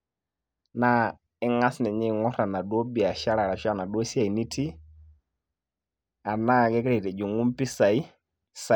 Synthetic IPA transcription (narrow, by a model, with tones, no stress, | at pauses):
na˦ | ɪ˦ŋa˦snɛ˨ɲɪ˦˨ŋɔ˦ɾa˨na˨dɔ˦bi˨a˨ʃa˦ɾa˨ɾa˨ʃa˦˨na˨dɔ˦si˦a˨i˨ni˦tʰi˦ | a˨na˦˨kɛ˦kɾɛ˨tɛ˨d͡ʒu˨ŋu˦mpi˦sa˨i˦ | sa˨